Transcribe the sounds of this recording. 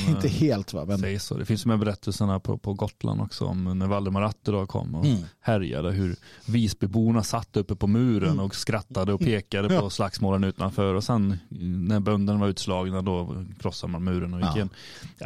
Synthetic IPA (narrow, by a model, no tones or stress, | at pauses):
ɪnt̪əheːlt̪va̰mɛso̰ːd̪ɛ̰fɪnsmːbɛɾɛt̪ʰːəlsəɳapʰɔ̰pʰɔɡɔt̪lʔa̰nd̪ɔ̰ksɔ̰ɔ̰mnæɾvalːəɾmaɾat̪ːədɔkʰɔ̰mːɔhæɾja̰d̪əɦɵɾviːsbɪbuːɳasat̪ːəɵpːəpʰɔmʉ̟ːɾənɔkskɾat̪ːad̪əɔpʰeːkad̪əpʰɔslaksmoːlənʉːt̪anfœɾɔsɛnnæɾbœnd̪ənvaɾʉ̟ːt̪slɑːɡnad̪ɔkʰɾɔsːad̪əmanmʉ̟ːɾənɔjɪjɛn